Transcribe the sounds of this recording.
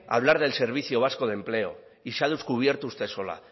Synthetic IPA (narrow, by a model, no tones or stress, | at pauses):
a̰β̞laɾð̞else̞ɾβ̞iθjoβ̞asko̞ð̞e̞mple̞o̞ | iseað̞eskuβ̞je̞ɾt̪oust̪e̞so̞la̰